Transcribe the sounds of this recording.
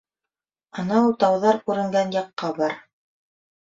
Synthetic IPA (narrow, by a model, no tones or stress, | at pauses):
ɤ̆nɑulˠt̪ɑwðɑɾkʉɾɘ̆ŋɡænjɑqːɑbɑɾ